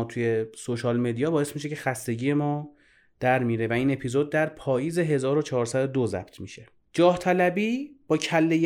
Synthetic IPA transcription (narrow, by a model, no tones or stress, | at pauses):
t̪ʰuje̞soʃɒːlmed̪ijɒːbɒːe̞smiʃ̬e̞cʰe̞xæst̪e̞ɟiːje̞mɒː | d̪̥æɾmiːɾe̞væiːne̞pʰizod̪̚ːæɾpʰɒːjiːze̞ɦe̞zɒːɾo̞t͡ʃʰɒːɾsæd̪od̪ozæ̰b̥t̪ʰmiːʃe̞ | d͡ʒɒːht̪ʰælæbiːb̥ɒːcʰælːej